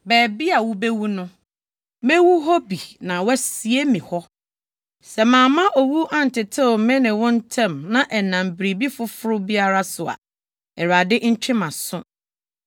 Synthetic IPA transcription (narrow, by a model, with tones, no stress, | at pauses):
bɛː˨bi˦a˨wʊ˦bɛ˦wu˦nʊ̃˦ | mɛ̃˦wu˦ɦɔ˦bi˨nã˨wɛ˦si˨e˦mĩ˨hɔ˦ | sɛ˨mãː˨mã˦ʔɔ˨wu˦ʔã˦n̩˨tɪ˨tʰɪ˦˨mɛ̃˦nɪ̃˨wɔ̃˦n̩˦tʰɛ̃˦˨mnã˨ʔɛ˨nã˨m˨bɾi˨bi˦fʊ˦fʊ˦ɾʊ˦bi˦a˦ɾa˦sʊ˨a̰˨ | ɛ˨ɾa˨dɪ˦ɲ̩˦t͡ɕᶣʰɪ̃˦mã˨sʊ̃˦